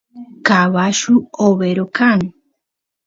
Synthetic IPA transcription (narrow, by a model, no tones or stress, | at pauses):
kaβaʃuoβeɾokan